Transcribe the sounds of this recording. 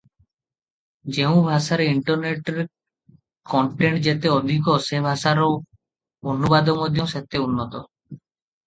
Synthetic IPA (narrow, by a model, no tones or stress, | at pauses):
d͡ʒeũbʱaʃaɾiɳʈɔɾneʈeɾ | kɔɳʈeɳʈd͡ʒet̪eod̪ʱikosebʱaʃaɾo | onubad̪omod̪ʱjɔset̪eunːɔt̪ɔ